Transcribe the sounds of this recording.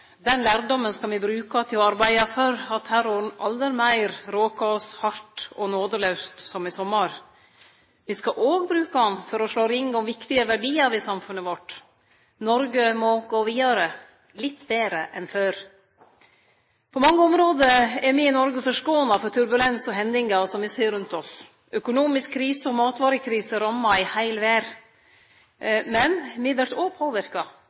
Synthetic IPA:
d̪ɛnlæːɾɖɔmːənskɑʋɪbɾʉːkɑt̪ʰɪlɔɑɾbæɪɑfœɾɑt̪hæɾɔnʔɑ̰ld̪əɾmæɪɾɾoːkɑɔshɑʈɔnoːd̪əlœʉst̪sɔmɪsɔmːəɾ | ʋɪskɑʔoːɡbɾʉːkɑɑnfɔɾɔʂɭoːɾɪŋːɔmʋɪkt̪ɪəʋæɖiːəʋɪsɑmfʉnəʋɔʈː | nɔɾɡəmɔɡoːʋiːd̪ɑɾə | lɪt̪ːbeːɾəʔɛnføːɾ | pʰɔmɑŋːəɔmɾoːd̪əɛɾmɪɪnɔɾɡəfɔʂkoːənɑfɔʈ̪ʰʉɾbʉlɛnsɔɦɛnd̪ɪŋɑsɔmʋɪseːɾʉnt̪ɔs | ʔœkʊnuːmɪskʰːɾiːsəɔmɑːt̪ʋɑːɾəkʰɾiːsəɾɑmːɑɪhæɪlʋæːɾ | mɛnmɪd̪əʈoːpʰoːʋɪɾkɑ

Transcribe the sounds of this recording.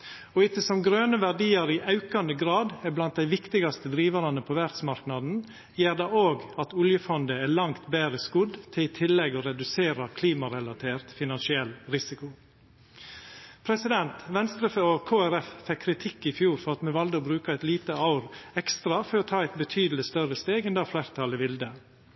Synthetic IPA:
ɔɪt̪əsɔmɡɾøːnəʋæɖiːɑɾɪʔɑʉkɑnd̪əɡɾɑːd̪blɑnt̪̚d̪æɪʋɪkt̪ɪɡɑst̪əd̪ɾiːʋɑɾɑnəpʰɔʋæɾt̪smɑɾknɑd̪n̩ | jeːɾd̪ɑoːɡɑt̪ʊljəfɔnd̪əæːɭɑŋkt̪beːɾəskʊd̪t̪ʰɪlɪːt̪ʰɪlːɛɡoɾɛd̪ʉseːɾɑkʰliːmɑɾɛlɑt̪ʰeːɾt̪fɪnɑnsɪɛlːɾɪsɪkʊ | pʰɾɛsɪd̪ɛnt̪ʋɛnst̪ɾəfəokʰoːæɾɛffɛkʰːɾɪt̪ʰɪkːɪfjuːɾfɔɾɑt̪mɛʋɑld̪əoːbɾʉːkɑæɪt̪liːt̪əɑʊɾɛkst̪ɾɑfɔɾɔt̪ʰɑːɛɪt̪̚bət̪ʰyːd̪l̩ɪst̪œɾəst̪eːɡɛnd̪ɑfleːɾt̪ʰɑlɪʋɪld̪ə

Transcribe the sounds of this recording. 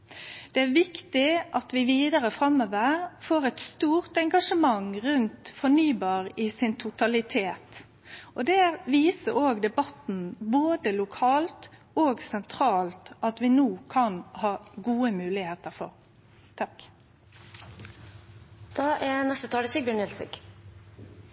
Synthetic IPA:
d̪̥ɛæɾʋɪkt̪ɪʔɑt̪ʋɪʋiːd̪əɾəfʁɑmːəʋəʁfoːʁɛt̪st̪uːʁt̪ɛŋɡɑʂəmɑŋʁʉnt̪fɔnyːbɑːʁɪsɪnt̪ʰʊt̪ɑlɪt̪ʰeːt̪ | ʔɔd̪ɛʋiːsəɾoːɡd̪ɛbɑt̪n̩boːd̪əlʊkʰɑːlt̪ | oːɡsɛnt̪ʰɾɑːlt̪ʔɑt̪ʋɪnuːkʰɑnhɑːɡuːəmʉːlɪheːt̪əfɔ̰ʁ | t̪ʰɑk | d̪̥ɑːʔænɛst̪ət̪ʰɑːɾɪsɪɡ̚bjøːɳɛlsʋɪ̰ɡ

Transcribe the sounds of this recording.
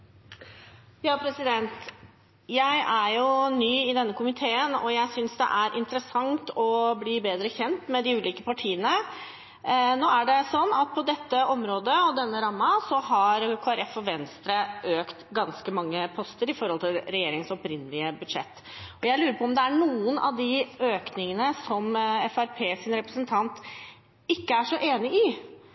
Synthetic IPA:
jɑːpʰɾɛsɪd̪ɛnt̪ | jæɪʔæɾjʊnyːɪd̪ɛnːəkʊmɪt̪ʰeːənɔjæɪsʏnsd̪ɛ̰ʔæɾʔɪ̰nt̪ɾəsɑŋt̪ɔbliːbeːd̪ɾəçɛnt̪mɛd̪ɪʉːliːkəpɑʈʰiːənə | noːæɖɛsɔnːɑt̪̚pʰɔd̪ɛt̪ːəɔmɾoːd̪əɔd̪ɛnːəɾɑmːɑsɔɦɑɾkʰoːæɾɛfɔʋɛnst̪ɾəʔøːkt̪ɡɑnskəmɑŋːəpʰɔst̪əɾɪfɔɾhɔlt̪ʰɪlɾɛjeːɾɪŋsɔpɾɪnːəlɪəbʉd̪ʂɛ̰t̪ː | ɔjæɪlʉːɾəpʰɔɔmd̪ɛæɳuːənʔɑ̰ʋd̪ɪøːknɪŋənəsɔmɛfæɾpʰeːsɪnɾɛpɾəsənt̪ʰɑnt̪ | ɪkːəæʂɔʔeːnɪɪ

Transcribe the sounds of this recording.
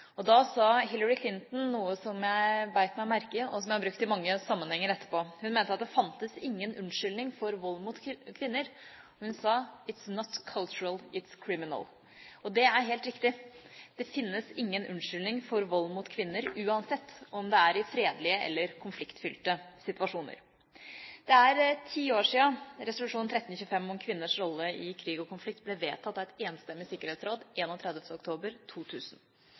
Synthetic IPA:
ɔd̪ɑsɑɦɪləɹɪkʰlɪnt̪n̩nuːəsɔmjæɪbæɪt̪mæɪɔmæɾkəɔsɔmjæɪhɑbɾʉkt̪ɪmɑŋːəsɑmːənhɛŋːəɾɛt̪ʰːə̥ɾpoːhʉnmeːnt̪əɑt̪d̪ɛfɑnt̪əsɪŋːənʔʉnʂʏlnɪŋfɔɾʋɔlːmut̪kʰʋɪnːəɾ | hʉnsɑɪt̪snɔt̪kʰɑlt͡ʃʉɹəlˠɪt̪skʰɹɪmɪnə̰l | ɔd̪ɛæɾɦeːlt̪ɾɪkt̪ɪd̪̥ɛfɪnːəsɪŋːənʔʉnʂʏlnɪŋfɔɾʋɔlːmuːt̪kʰʋɪnːəɾʉːɑnsɛt̪ːɔmd̪ɛæɾɪfɾeːd̪lɪəʔɛ̰lːəɾkʰʊnflɪkt̪fʏlt̪əsɪt̪ʋɑʂuːnə̰ɾ | d̪̥ɛæɾt̪ʰiːoːʂiːɑɾɛsʊlʉʂuːn̩t̪ʰɾɛt̪n̩çʉːəfɛmːɔmkʰʋɪnːəʂɾɔlːəɪkʰɾiːɡɔkʰʊnflɪkt̪̚blɛʋeːt̪ʰɑt̪ːɑʋɛt̪eːnst̪ɛmːɪsɪkːəɾheːt̪sɾoːd̪ʔeːnɔːt̪ʰɾɛd̪əft̪əʊkt̪ʰoːbəɾt̪ʰuːt̪ʰʉːsn̩

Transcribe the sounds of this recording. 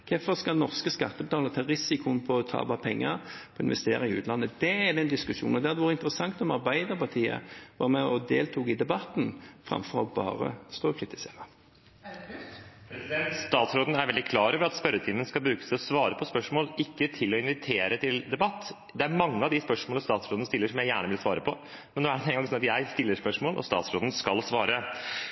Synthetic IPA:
kʰɛfɔskɑlnɔʁskəskɑ̰t̪ːəbət̪ʰɑːləɾət̪ʰɑːɾɪsɪkʊnpʰɔɔt̪ʰɑ̰ːbɑpʰɛŋːəɾpʰɔɪ̰nʋɛ̰st̪eːɾɑɪʉːt̪lɑnːəd̪ɛæd̪ɛnd̪ɪskʉʂṵːnɔd̪ɛæɾd̪ɛʋɑːɾəɪnt̪əɾəsɑŋt̪ɔmɑɾbæɪd̪əʁpɑʁt̪ʰiːə̰ʋɑːɾəmɛɔd̪eːlt̪ʰuːɡɪd̪ɛbɑt̪n̩fʁɑ̰mfɔɾɔbɑ̰ːɾə̰st̪oːkʰɾɪt̪ɪ̥seːʁɑ | st̪ɑːt̪sɾoːd̪n̩æɾʋɛld̪ɪkʰlɑːɾøːʋəɾɑt̪spœɾət̪ʰɪmːənskɑlbɾʉːkə̥sɛɔsʋɑːɾəpʰɔspœʂmoːlɪkːət̪ʰɪlːɔɪnʋɪt̪ʰeːɾət̪ʰɪld̪ɛbɑt̪ː | d̪ɛæɾmɑŋːəɑʋd̪ɪspœʂmoːləst̪ɑːt̪sɾoːd̪nəst̪ɪlːəʂɔmjæɪjæːɳəʋɪlsʋɑːɾəpʰɔ | mɛnoːæɖɛnɛŋɡɑŋsɔnɑt̪jæɪst̪ɪlːəspœʂmoːlʔɔ̰st̪ɑ̰ːt̪sɾoːd̪n̩skɑlsʋɑːɾə

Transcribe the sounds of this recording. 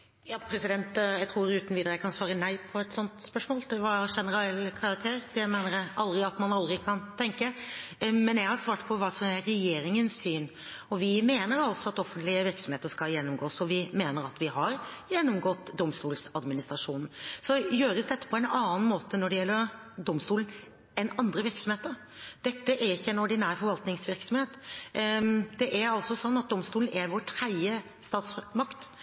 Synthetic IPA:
jɑːpʰɾɛsɪd̪ɛnt̪jæɪt̪ʰɾuːɾʉːt̪ən̩ʋiːd̪əɾəjæɪkʰɑnsʋɑːɾənæɪpʰɔɛt̪sɔnt̪spœʂmoːld̪ɛʋɑɾʂɛnəɾɛlkʰɑɾɑk̚t̪ʰeːɾd̪ɛmeːnəɾjæɪɑld̪ɾɪɑt̪mɑnɑld̪ɾɪkʰɑnt̪ʰɛŋkə | mɛnjæɪhɑɾsʋɑːʈpʰɔʋɑːsɔmæːɛjeːɾɪŋənssyːn | ɔʋɪmeːnəɾɑlt̪sɔɑt̪ɔfːənt̪lɪəʋɪɾksɔmheːt̪əʂkɑljɛnːɔmɡoːsɔʋɪmeːnəɾɑt̪ʋɪɦɑɾjɛnːʊmɡɔt̪ːd̪ɔmst̪uːlsɑd̪mɪnɪst̪ɾɑʂuːnn̩sɔjøːɾəsd̪ɛt̪ːə̥pʰɔɛnɑːn̩moːt̪ənɔɖɛjɛlːəɾ | d̪ɔmst̪uːln̩ | ɛnɑnd̪ɾəʋɪɾksɔmheːt̪əɾ | d̪̥ɛt̪ːəʔæɾɪçːəɛnɔɖɪnæːɾfɔɾʋɑlt̪nɪŋsʋɪɾksɔmheːt̪ | d̪ɛʔæɾɑlsɔsɔnːɑt̪̚d̪ɔmst̪uːn̩ɛɾʋoːʈʰɾæɪə | st̪ɑːt̪smɑkt̪

